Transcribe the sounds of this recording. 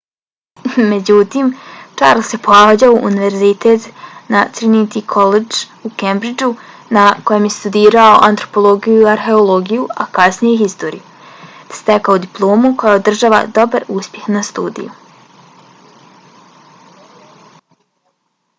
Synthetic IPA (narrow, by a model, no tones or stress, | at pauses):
me̞d͡ʑut̪iːmt͡ʃaːɾlse̞poaːd͡ʑauʔːniʋe̞ɾzit̪et̪nat̪sɾinit̪ikʰo̞led͡ʒukembɾid͡ʒu | nako̞jemje̞st̪ud̪iːɾaoʔant̪ɾo̞̥po̞lˠo̞ɡijuiaɾxe̞olˠo̞ɡijuakasnijexist̪o̞ːɾḭju | st̪ekaud̪iplˠo̞ːmuko̞jaod̪r̩ʒaːʋa̰d̪o̞baɾuspʲje̞xnast̪ṵːd̪ḭju